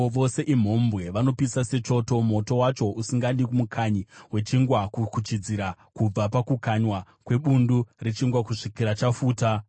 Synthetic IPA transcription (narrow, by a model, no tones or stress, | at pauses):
ʋo̞se̞ʔim̤o̞mbwe̞ʋano̞pisase̞t͡ʃo̞to̞mo̞to̞wat͡ʃo̞usiŋɡandikumukʰaɲiwe̞t͡ʃiŋɡwakukut͡ʃid͡ziɾa | kub͡vapakukaɲwa | kwe̞ɓunduret͡ʃiŋɡwakuʂikiɾat͡ʃafuːta